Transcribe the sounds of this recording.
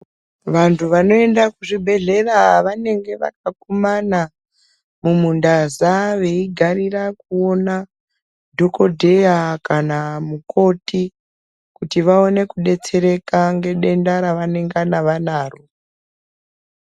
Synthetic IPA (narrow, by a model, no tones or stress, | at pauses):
ʋantʰuʋano̞e̞ndakuʐibʱe̞ɮe̞raʋane̞ŋɡe̞ʋa̰k̚akumana | mumundazaʋe̞iɡʱarirakuo̞na | dʱo̞ko̞dʱe̞jakanamuko̞ti | kutiʋao̞ne̞kuɗe̞t͡se̞ɾe̞kaŋɡe̞ɗe̞ndaɾaʋane̞ŋɡanaʋanaːro